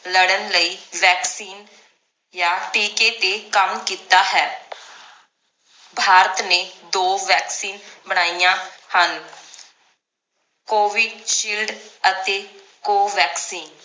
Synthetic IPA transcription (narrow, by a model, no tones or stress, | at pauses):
ləɽənləiːʋɛːksiːn | jaːʈiːket̪ekəmkiːt̪aːɦɛː | bʱaːɾət̪neːd̪oːʋɛːksiːnbəɽ̃aːijãːhən | koːʋɪɖʃiːlɖət̪eː | koːʋɛːksiːn